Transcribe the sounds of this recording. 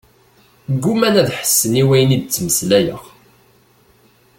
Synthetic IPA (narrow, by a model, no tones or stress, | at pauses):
ɡːumænæðħə̥sːəniwæjnid̪̚t͡sːməslæjəʁ